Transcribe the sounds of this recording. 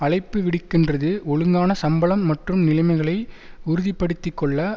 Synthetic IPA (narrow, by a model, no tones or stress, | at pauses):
ɐɭɐɪpːɯʋɪɽɪkːɪndrɐðɯɔɻɯŋɡaːnɐsɐmbɐɭɐmːɐʈrɯmnɪlɐɪmɐɪɣɐɭɐɪ | ʊɾʊðɪpːɐɽɯt̪ːɯkːɔɭːɐ